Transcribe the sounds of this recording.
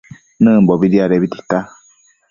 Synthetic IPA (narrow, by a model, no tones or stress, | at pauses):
nəbɔbidiaɾɛbiti̥ta